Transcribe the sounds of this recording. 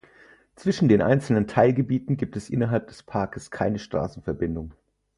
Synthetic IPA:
t͡sv̥ɪʃn̩deːnʔa̰ɪnt͡sl̩nəntʰaɪlɡəbiːtn̩ɡiːp̚tɛsʔɪ̰nɐɦalp̚d̥ɛspʰaɐkəskʰaɪnəʃtʁ̥a̰ːsn̩fɛɐbɪndʊŋ

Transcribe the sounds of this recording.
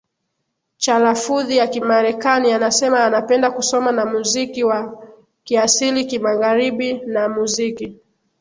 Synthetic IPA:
t͡ʃalafuðijakimaɾɛkanianasɛmaːnapɛndakusɔmanamuzikiwa | kiasilikimaɣaɾiɓinamuziki

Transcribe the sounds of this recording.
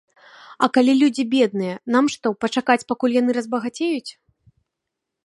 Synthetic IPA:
ɐkalʲilʲud͡zʲibʲɛd̪̚nɨjɛnamʂt̪ɔwpɐt͡ʂakat͡sʲpakulʲjan̪ɨɾɐzbɐɣat͡sʲejut͡sʲ

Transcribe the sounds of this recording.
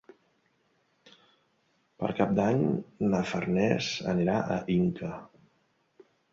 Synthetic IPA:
pə̰ɾkap̚d̪aɲləfərnɛzə̰niɾaʔə̰ʔiŋkʰə

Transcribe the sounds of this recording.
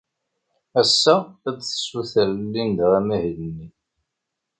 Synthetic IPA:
æsːææd̪θə̥suθəɾlːind̪ʁæmæhəlnːi

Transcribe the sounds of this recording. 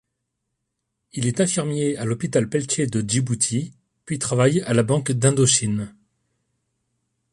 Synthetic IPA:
ilɛt̪ɛ̃fiʁmjealɔpit̪alpɛlt̪jed̪əd͡ʒibut̪ʰi | pɥit̪χavajalabɑ̃kd̪ɛ̃d̪oʃin

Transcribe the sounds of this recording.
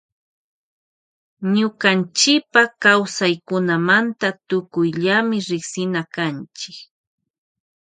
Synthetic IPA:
ɲʊkant͡ʃɪpakawsajkʊnamant̪at̪ʊkʊjʎamɪɾɪksɪnakant͡ʃɪk

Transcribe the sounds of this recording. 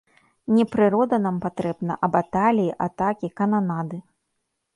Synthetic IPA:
nʲɛpɾɨɾɔd̪ɐnampat̪ɾɛbnɐʔɐbat̪alʲijiʔat̪akʲikɐnanad̪ɨ

